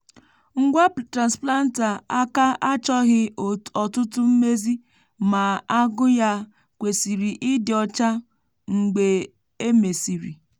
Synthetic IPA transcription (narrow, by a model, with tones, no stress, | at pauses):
ŋ̩˦ɡʷa˦tɾa˨nspla˦n̩˦ta˨a˦ka˦ʔa˦t͡ʃɔ˦ɣɪ˦ɔ˨tʊ˦tʊ˦m̩˦me˦zi˦ | ma˨a˦ɡʊ˦ja˦ | kʷe˨si˨ɾi˨ʔɪ˦dɪ˨ɔ˦t͡ʃa˦ | ŋ̩˨ɡ͡be˨ | e˦me˨si˨ɾi˨